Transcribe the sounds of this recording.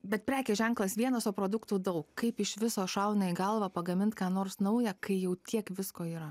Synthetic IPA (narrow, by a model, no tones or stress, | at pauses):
bʲɛt̪̚pʲɾʲæːkʲeːʒʲɛŋklˠɐsʋʲiɛnɐsoːpɾoːd̪ʊkt̪uːd̪ɐʊkkɐɪpɪʃʋʲɪsoːʃɐʊnʲoɪɡɐlˠʋɑpɐɡɐmʲɪnt̪kɑːnoːrsnɐʊjɛkɐɪjɛʊt̪ʲiɛkʋʲɪskoːiːɾɐ